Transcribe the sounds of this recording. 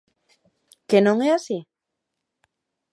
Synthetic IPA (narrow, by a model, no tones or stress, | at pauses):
kenõŋeasi